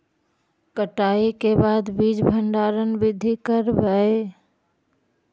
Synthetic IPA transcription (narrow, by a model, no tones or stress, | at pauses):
kəʈaːikebaːd̪bid͡ʒbʱəɳɖaːɾənbɪd̪ʱikəɾbəe